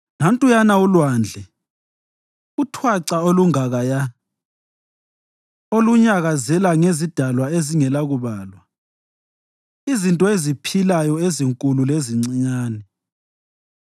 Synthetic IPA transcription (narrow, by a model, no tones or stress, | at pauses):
nantʼujanaulwand͡ɮʱɛ | utʰwaǀaoluŋaɣaja | oluɲaɣazɛlaŋezid̥ʱalwaeziŋɛlaɣuβaːlwa | izintʼɔezipʰilajɔeziŋkʼululeziŋ͡ǀiɲaːnɛ